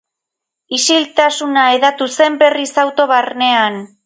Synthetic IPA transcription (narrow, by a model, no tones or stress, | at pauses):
isilt̪asunaeðat̪use̞mbe̞risawt̪o̞βarne̞an